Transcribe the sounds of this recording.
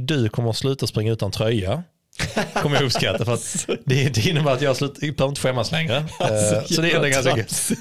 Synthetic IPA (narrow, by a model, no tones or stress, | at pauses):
d̪ɵkʰɔmːəɾɔslʉ̟ːt̪aspɾɪŋːaʉ̟ːt̪ant̪ʰɾœja | ɔmːəjɵpskat̪ːafœɾat̪d̪ɛd̪ɛɪnːəbæːɾat̪jɑːhaslʉ̟ːt̪pʰaɾɪt̪əɧɛmːaslɛŋɾəsɔd̪ɛɛnɛɡanskaɡʉ